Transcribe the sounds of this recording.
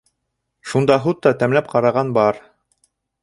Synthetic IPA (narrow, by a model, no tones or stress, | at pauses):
ʃund̪ɑɦut̪ːɑt̪æmlæp̚qɑɾɑʁɑnbɑɾ